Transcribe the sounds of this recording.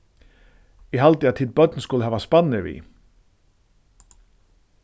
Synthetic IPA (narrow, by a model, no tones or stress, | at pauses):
jɛɦalt̪ɪaðt̪ʰiːd̪̚bœt̪nskʊləɦɛːvaspanːɪvḭ